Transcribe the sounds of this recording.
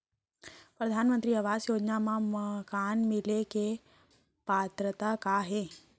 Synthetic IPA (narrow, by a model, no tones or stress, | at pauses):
pɾɐd̪ʱaːnmə̃nt̪ɾiɐʋaːzjoːd͡ʒnamãmɐkaːnmɪleke | paːt̪ɾət̪akaːɦeː